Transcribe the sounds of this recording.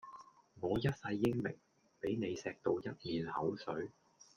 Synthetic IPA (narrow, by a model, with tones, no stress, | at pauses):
ŋɔː˨˧jɐ˥t̚sɐ˧jːɪ˥ŋmɪ˨˩ŋ | pe˨˥jne˨˧jsɛː˧k̚t̪o˧wjɐ˥t̚miː˨˧nhɐ˨˥wsɵ˨˥ɥ